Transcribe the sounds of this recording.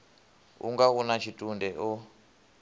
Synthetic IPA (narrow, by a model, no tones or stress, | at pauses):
ṵŋɡaunat͡ʃʰitʼundɛʔɔ